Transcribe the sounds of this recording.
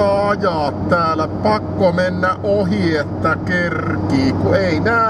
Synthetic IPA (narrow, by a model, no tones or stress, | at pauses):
ɑɑjɑːt̪t̪æːlæpɑkːomenːæʔʔohiet̪ːækerkiːkueinæː